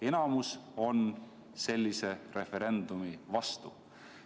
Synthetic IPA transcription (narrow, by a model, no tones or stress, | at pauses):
e̞nɑmuso̞n | se̞lʲːise̞re̞fe̞ɾe̞nd̪̥umivɑst̪u